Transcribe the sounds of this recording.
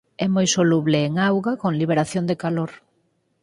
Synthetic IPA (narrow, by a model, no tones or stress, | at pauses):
ɛmojsoluβlɪːŋawɣakoŋliβ̞eɾaθjoŋd̪ekaloɾ